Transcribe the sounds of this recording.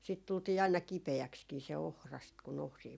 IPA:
siːt tultiː ɑinɑ kipeækskiː se ohrɑst kun ohriː

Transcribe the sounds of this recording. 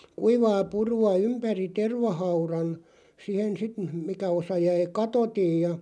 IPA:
kuiʋɑː puruɑ ympæri terʋɑhɑurɑn sihen sit m̩ mikæ osɑ jæi kɑtotij jɑ

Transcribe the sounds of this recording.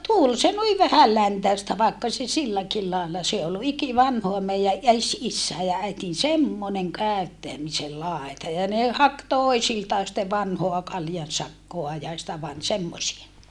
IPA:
tul se nui ʋæhælːæntæˑestæ ʋɑˑekːɑ se silːækil lɑelːɑ se ol ikiʋɑnhoɑ meijæ ʔes isːæe jɑ æitin semːoneŋ kæˑøtːæmisel lɑˑetɑ jɑ ne hɑk toisiltɑː sĭtːe ʋɑnhoɑ kɑljɑnsɑkːoɑ jɑ sitæ ʋɑn semːosie

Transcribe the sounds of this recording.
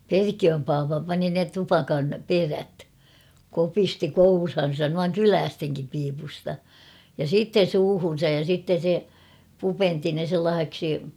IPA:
perkiøm pɑːpɑ pɑni ne tupɑkɑn peræt kopisti kourhɑn̞sɑn nuɑŋ kylæːsteŋkim piːpustɑ jɑ siːtːen̞ suːhun̞sɑj jɑ sitːen̞ se pupenti ne selːɑːh̞eksi

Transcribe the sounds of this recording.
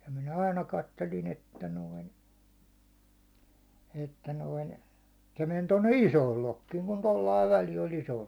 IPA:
jɑ minæ ɑinɑ kɑtːelin etːæ noin etːæ noin se men tonːe isoːl lokːiːŋ kun tolːɑiʋ ʋæli olʲ isoːl

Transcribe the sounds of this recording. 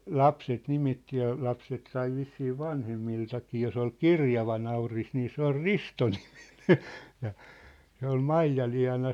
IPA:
lɑpset nimitːi jɑ lɑpset sɑi ʋisːiː ʋɑnhemːiltɑkiː jos ol kirjɑʋɑ nɑuris niː se ol ristoni̥m̥i̥n̥e̥ jɑ se ol mɑijɑliɑ̝nɑ

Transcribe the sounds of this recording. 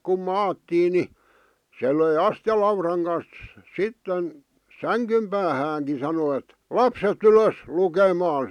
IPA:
kum mɑːtːiː ni se løi ɑstĭjɑlɑurɑŋ kɑns sitːen sæŋkym pæːhæːŋkin̞ sɑno ĕt lɑpset yløs lukemɑːn̞

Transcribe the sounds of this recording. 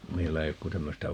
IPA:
meilːæ ei ok ku tæmːøstæ

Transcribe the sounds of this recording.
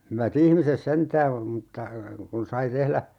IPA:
hyʋæt ihmises sentæː mutːɑ kun sɑi tehlæ

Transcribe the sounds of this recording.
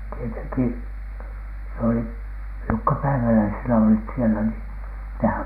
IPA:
tieteŋki s oli jokːɑ pæiʋælæisenæ olit sielæ niː nehæŋ

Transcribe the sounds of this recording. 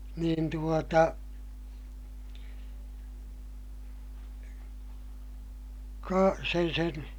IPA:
niːn tuotɑ kɑ sen sen

